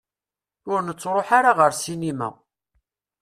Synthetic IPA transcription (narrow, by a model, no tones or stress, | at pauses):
ʊɾnət͡sːɾˤoħaɾaʁəɾsinimæ̰